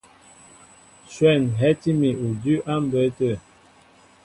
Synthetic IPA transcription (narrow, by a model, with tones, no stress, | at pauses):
swɛ˦˨nɦɛ˦ti˦mi˨u˨dʉ˦ʔa˦m˦bə˨˦tə˦˨